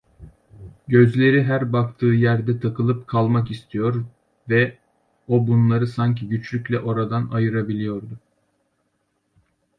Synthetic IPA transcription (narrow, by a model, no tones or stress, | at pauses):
ɟø̞zlʲe̞ɾiɦæɾbakt̪ʰɯːjæɾd̪ɛt̪ʰakɯlˠɯpkʰalˠmakist̪ʰijo̞ɾ | vɛ | o̞bunlˠaɾɯsaɲcʰiɟyt͡ʃlʲycʲlʲɛʔo̞ɾad̪anajɯɾabilʲijo̞ɾd̪ʊ